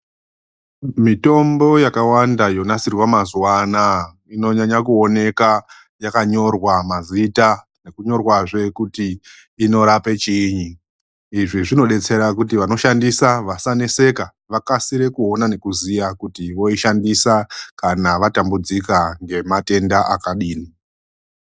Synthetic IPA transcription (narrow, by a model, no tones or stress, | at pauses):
mito̞mbo̞jakawandajo̞nasirwamazuwana | ino̞ɲaɲakuo̞ne̞ka | jakaɲo̞rwamazita | ne̞kuɲo̞rwaʐe̞kutiː | no̞ɾape̞t͡ʃiɲi | iʐiʐino̞ɗe̞t͡se̞ɾakutiʋano̞ʃandisaʋasanese̞ka | ʋakasiɾe̞kuo̞nane̞kuzijakutiʋo̞iʃandisakanaʋatambud͡zikaŋɡe̞mate̞ndaʔakaɗiːni